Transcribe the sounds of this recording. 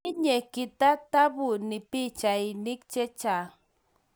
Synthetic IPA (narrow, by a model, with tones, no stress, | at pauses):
ɪ˦ɲe˨kɪ˨t̪a˦t̪a˦bu˨nɪ˨pi˦t͡ʃa˨inɪ˦k̚t͡ʃe˦t͡ʃa˨